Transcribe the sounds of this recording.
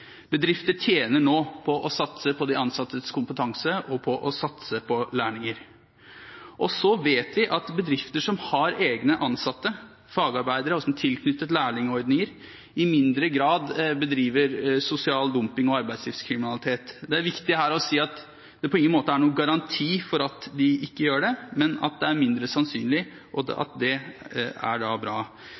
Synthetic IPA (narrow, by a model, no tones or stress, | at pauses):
bəd̪ɾɪft̪əʈʰjeːnəɳoːpʰɔʔɔsɑt̪səpʰɔd̪ɛɑnsɑt̪ːəskʊmpət̪ʰɑŋsəʔɔpʰɔʔɔsɑt̪səpʰɔlæːɳɪŋəɾ | ʔɔsɔʋeːt̪ʋɪʔɑt̪bəd̪ɾɪft̪əʂɔmhɑɾeːɡnəʔɑnsɑt̪ːə | fɑːɡɑɾbæɪd̪əɾəɔsɔmt̪ʰɪlkʰnʏt̪ːət̪læːɳɪŋɔɾd̪nɪŋəɾ | ɪmɪnd̪ɾəɡɾɑːd̪bəd̪ɾiːʋəɾsʊsɪɑːld̪ʊmpɪŋɔɑɾbæɪd̪sliːfskʰɾɪmɪnɑlɪt̪ʰeːt̪d̪ɛæɾʋɪkt̪ɪɦæːɾɔsiːɑt̪ | d̪̥ɛpʰɔɪŋənmoːt̪əæɳuːəɡɑɾɑnt̪ʰiːfɔɾɑt̪d̪ɪʔɪkːəjøːɖɛmɛnɑ̰t̪̚d̪ɛæɾmɪnd̪ɾəsɑnsy̰ːnlɪ | ʔɔɑ̰t̪̚d̪ɛ | æ̰ɖɑbɾɑː